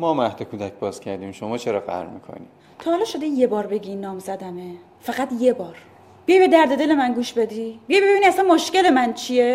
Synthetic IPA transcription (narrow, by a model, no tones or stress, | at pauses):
mɒːmæhd̪ekʰuːd̪æc̚ʰbɒːz̥cʰæɾd̪iːmʃomɒːt͡ʃʰeɾɒːfæ̰ɾʁmḭːkʰo̰nḭ | t̪ʰɒːhɑlɒːʃod̪eje̞bɒːɾbe̞ɡiːnːɒːmzæd̪æne | fæɣæt̪je̞bɒːɾ | b̥ijɒjbed̪æɾd̪e̞d̪e̞le̞mænɡuːʃbe̞d̪iːbijɒjbebiniæsænmoʃce̞lemænt͡ʃʰije̞